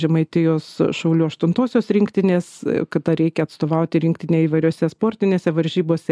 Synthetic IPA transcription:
ʒʲɛmɐɪt̪ʲɪjoːsʃɐʊlʲuːɐʃt̪ʊnt̪oːsʲoːsɾʲɪŋkt̪ʲɪnʲeːskɐd̪ɐɾʲɛɪkʲɛɐt̪st̪oːʋɐʊt̪ʲɪɾʲɪŋkt̪ʲɪnʲeːiːʋɐɪɾʲoːsʲɛspoːɾʲt̪ʲɪnʲeːsʲɛʋɐɾʲʒʲiːboːsʲɛ

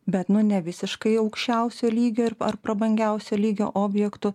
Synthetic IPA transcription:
bʲɛt̪nʊnʲɛʋʲɪsʲɪʃkɐɪɒʊkʃʲt͡ʃʲɛˑʊsʲoːlʲiːɡʲoːɪɾɐɾpɾɐbɐŋʲɡʲæˑʊsʲoːlʲiːɡʲo̰ːʔoːbʲjɛkt̪ʊ

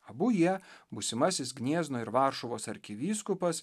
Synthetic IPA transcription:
ɐbʊjiɛbʊsʲɪmɑsʲɪsɡnʲiɛznoːɪɾʋɑːɾʃʊʋoːsɐɾʲkʲɪʋʲiːskʊpɐs

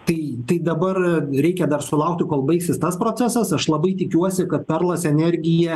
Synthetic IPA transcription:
t̪ɐɪt̪ɐɪd̪ɐbɐrɾʲɛɪkʲɛd̪ɐrsʊlˠɐʊk̚t̪ʲɪkoːlˠbɐɪksʲɪst̪ɐspɾoːt͡s̪ʲɛsɐsɐʃlˠɐbɐɪt̪ʲɪkʲuɔsʲɪkɐt̪̚pʲɛrlˠɐsɛnʲɛɾʲɡʲɪjɛ

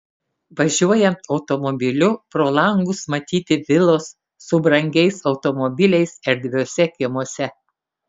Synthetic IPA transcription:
ʋɐʒʲuɔjɛɒʊt̪ɔmɔbʲɪlʲʊpɾoːlˠɐŋɡʊsmɐt̪ʲiːt̪ʲɪʋʲɪlˠoːsː | ʊbɾɐŋʲɡʲɛɪsɒʊt̪ɔmɔbʲɪlʲɛɪsɪɾd̪ʲʋʲoɔsʲɛkʲɪmuɔsʲɛ

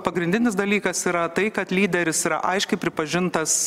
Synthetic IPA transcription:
pɐɡɾʲɪnʲd̪ʲɪnʲɪs̬d̪ɐlʲiːkɐsiːɾɐt̪ɐɪkɐt̪lʲiːd̪ʲɛɾʲɪsiːɾɐ̰ʔɐɪʃʲkʲɛɪpʲɾʲɪpɐʒʲɪnt̪ɐs

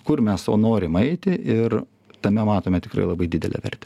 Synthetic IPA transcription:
kʊrmʲɛso̰ːnoːɾʲɪmɐɪt̪ʲɪʔɪr | t̪ɐmʲɛmɑːt̪oːmʲɛt̪ʲɪ̥kɾɐ̰ɪlˠɐbɐɪd̪ʲɪd̪ʲɛ̰lʲɛ̰ʋʲɛ̰rʲt̪ʲɛ

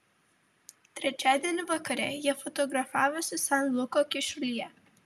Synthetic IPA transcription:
t̪ʲɾʲɛt͡ʃʲæːd̪ʲiɛnʲɪʋɐkɐɾʲɛ̰jiɛfɔt̪ɔɡɾɐfɑːʋʊsʲɪsanlˠʊkɔkʲɪʃʊlʲijɛ

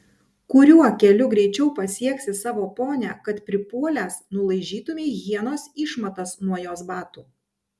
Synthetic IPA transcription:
kʊɾʲuɔkʲɛlʲʊɡɾʲɛɪt͡ʃʲɛʊpɐsʲiɛksʲɪsɑːʋoːpoːnʲæ̰ːkɐt̪pʲɾʲɪpuɔlʲæːsnʊlˠɐɪʒʲiːt̪ʊmʲeːɣʲiɛnoːsiːˑʃmɐt̪ɐsnuɔjoːsbɑːt̪uː

